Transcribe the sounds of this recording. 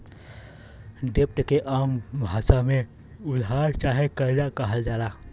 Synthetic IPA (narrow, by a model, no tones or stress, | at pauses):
ɖep̚ʈkeʔambʱasame | ud̪ʱɦaɾt͡ʃaɦikəɾd͡ʒakəɦəld͡ʒala